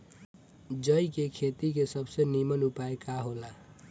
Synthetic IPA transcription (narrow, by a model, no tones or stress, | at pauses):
d͡zʌjkekʰet̪ikesʌbsʌnimʌnupaekaɦola